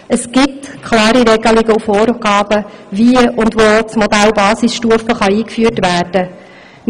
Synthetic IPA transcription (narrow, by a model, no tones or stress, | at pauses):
əsɡ̥ɪp̚tkʰχlɑːɾiɾɛɡəlɪɡəufɔːɾɡ̥ɑːb̥əviʊndvoːt͡smɔdælbɑːsisʃtuəfəχɑiːkfyːtvæːrd̥ə